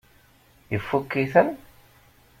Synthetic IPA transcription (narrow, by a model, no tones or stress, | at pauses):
jəfːukːiθən